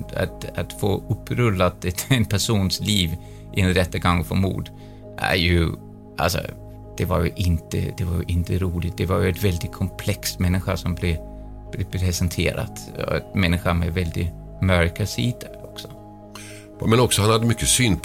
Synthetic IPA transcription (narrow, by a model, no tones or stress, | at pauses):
a̰t̪at̪foːɵpːɾɵlːat̪ɛt̪ɛnpʰæʂuːnsliːv | ʔɪɛnɾɛt̪ːaɡaŋːfɔɾmṵːd̪ | ʔæ̰ɾjɵ | ʔa̰lsɔ̰ | d̪̥ɛvaɾjɵ̰ʔɪnt̪ə̰d̪ɛvaɾjɵʔɪnt̪əɾuːlɪt̪̚d̪ɛvaɾjɵɛt̪vɛld̪ɪt̪̚kʰɔmpʰlɛkst̪mɛnːɪɧaʂɔmblɛ | b̥lɛpʰɾɛsɛnt̪ʰḛːɾa̰t̪ɔ̰ɛt̪mɛnːɪɧamɛvɛld̪ɪ | mœɾkasiːd̪ | ɔksɔ̥ | mɛnɔksɔhanhad̪ːəmʏkːəsyːnpʰ